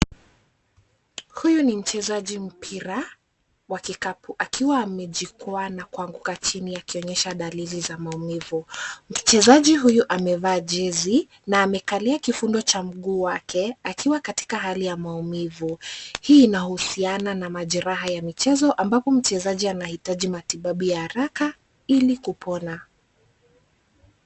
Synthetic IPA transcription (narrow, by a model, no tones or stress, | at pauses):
hujunim̩t͡ʃɛzaʄim̩pʰiɾa | wakikapuʔakiwaːmɛʄikuanakuaŋɡukat͡ʃiniakiɔɲɛʃaɗalilizamaumivum̩t͡ʃɛzaʄiɦujuʔamɛvaːʄɛzi | naːmɛkaliakifundɔt͡ʃam̩ɠuːwakʰɛakʰiwakati̥kaɦalijamaumivuhiːnahusiananamaʄɛɾaɦajamit͡ʃɛzɔʔambapɔm̩t͡ʃɛzaʄianahitaʄimatiɓaɓujahaɾaka | ilikupʰɔna